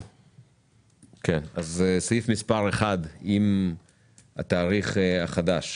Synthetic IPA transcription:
kʰenazesajifmispaʁeχad̪im | ha̰t̪aːʁiχaχad̪aʃ

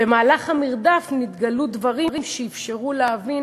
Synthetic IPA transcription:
bemaːlaχamiʁd̪afnit̪ɡalud̪vaʁiʁimʃeifʃeʁuleavi

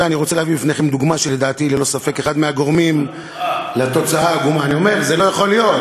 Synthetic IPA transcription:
eaniʁot͡se̞leavibifne̞χe̞md̪uɡmaʃele̞d̪aːt̪ilelo̞safe̞keχad̪meaɡo̞ʁmim | let̪o̞t͡saaɡumaːnio̞me̞ʁzelo̞jaχo̞lijo̞t

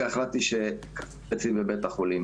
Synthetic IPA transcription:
eχlat̪iʃekḁ | et͡simbebet̪aχulim

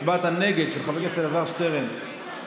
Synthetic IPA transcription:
bat̪haneɡe̞d̪ʃelχavekeseɾavaʁʃt̪eʁem

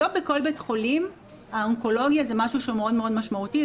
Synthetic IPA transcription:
obeko̞lbetχolim | aoŋko̞lo̞ɡjazemaʃuʃeumeo̞dme̞o̞dmaʃmauti

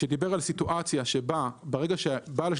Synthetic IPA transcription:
ed̪ibe̞ʁalsituʔat͡sjaʃebabeʁe̞ɡaʃebala

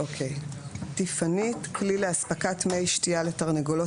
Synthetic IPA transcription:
okʰejtifanitklileaspakatmejʃtialetaʁneɡolo

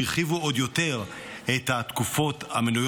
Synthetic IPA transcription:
iʁχivuod̪jo̞te̞ʁ | et̪hat̪kufo̞tamenuj

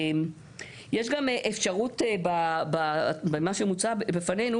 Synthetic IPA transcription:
m | jeʃɡameʔefʃaʁutebababemaʃemut͡sabbefane̞nu

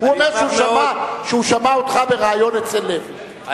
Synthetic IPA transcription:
huameʁmʃɛuʃamaʃeuʃamaot̪χabeʁaːjonet͡selːev

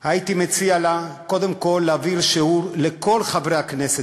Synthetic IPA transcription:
hait̪imet͡sialako̞d̪emko̞lːeaviʁʃeuʁleko̞lχavʁejaknese

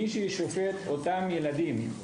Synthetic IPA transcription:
iʃiʃofet̪ot̪amjelad̪im

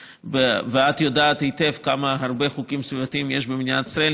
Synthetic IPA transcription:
beveat̪jod̪aːt̪hit̪efkamaɦaɾbeχukimsvivat̪iimjeʃbemnijat̪i̥sɾael

